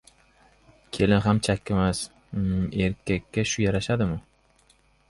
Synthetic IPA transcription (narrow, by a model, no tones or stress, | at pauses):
kʲʰe̞lɪnɦamt͡ʃʰakʲːɪmas | e̞ɾkʲʰːakʲːaʃʊjaɾaʃad̪ɪmʊ